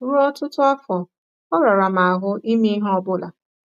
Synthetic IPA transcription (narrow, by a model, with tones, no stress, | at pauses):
ɾu˦ɔ˦tʊ˦tʊ˦a˦fɔ˨ | ɔ˦ɾa˨ɾa˨m̩a˨a˨ɦʊ˦i˦me˦ɦɔ˦bʊ˦la˨